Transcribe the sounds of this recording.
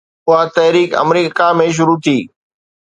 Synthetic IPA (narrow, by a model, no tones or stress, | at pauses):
ʊɦat̪ɐɦɾiːkɐ̰mɾiːkamẽʃ̬ʊɾut̪ʰiː